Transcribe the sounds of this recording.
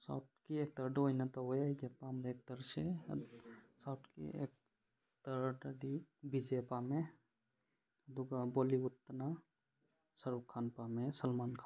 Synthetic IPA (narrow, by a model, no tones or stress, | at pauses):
sa̰wʈkiek̚t̪əɾɖojnat̪aɦojed͡ʒepamɾeːk̚t̪əɾse | sawʈkḭḛk̚ | t̪əɾʈɐɖibid͡ʒepame | d̪uɡaboːliʊt̪ːna | səɾukʰːaːnpamesəlmaːnkʰa